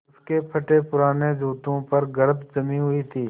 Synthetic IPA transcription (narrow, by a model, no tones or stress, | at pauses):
skeːpʰəʈeːpʊɾaːneːd͡ʒuːt̪õːpəɾɡəɾət̪d͡ʒəmiːɦʊiːt̪ʰiː